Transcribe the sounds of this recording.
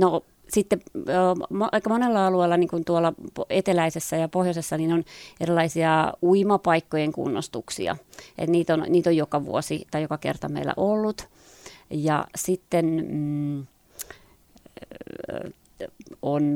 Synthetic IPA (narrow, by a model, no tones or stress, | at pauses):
no | sit̪ːe | mʔeikːɑmonelːɑɑlueːlːɑniːŋkunt̪uolːˑɑpoet̪elæisesːæjɑpohjosesːɑninonerilːˑɑisiɑuimɑpɑikːojeŋkṵnːo̰st̪uksḭɑ̰ʔḛt̪niːt̪onniːt̪ojjokɑʋṵosit̪ɑijokɑkḛrt̪ɑmḛilːæ̰ʔolːut̪ | jɑ̰sit̪ːen | on